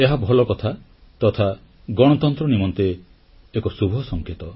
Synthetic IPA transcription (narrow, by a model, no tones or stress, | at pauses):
eɦabʱɔlɔkɔt̪ʰa | t̪ɔt̪ʰa | ɡɔɽ̃ɔt̪ɔnt̪ɾɔnimɔnt̪eː | kɔsubʱɔsɔŋkʰet̪ɔ